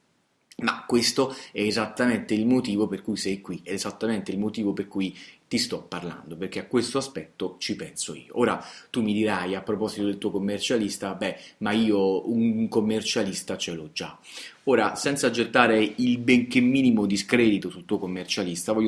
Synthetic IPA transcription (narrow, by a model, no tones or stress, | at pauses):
makːwest̪oɛːzat̪ːament̪eilmot̪iːvoperkujsɛjkwiɛːzat̪ːament̪eilmot̪iːvoperkujt̪ist̪ɔpːarla̰nd̪operk̟eakːwest̪oaspɛt̪ːot͡ʃipɛnsoḭːo̰oːɾat̪umːid̪iɾajapːɾopɔzit̪od̪elt̪uːokomːert͡ʃalist̪abɛmaiːouŋkomːert͡ʃalist̪at͡ʃelod͡ʒa̰ | oːɾasɛnt̪sad͡ʒet̪ːaːɾeilbeŋk̟emːiːnimod̪iskɾɛːd̪it̪osult̪ːuːokomːert͡ʃalist̪avɔjːo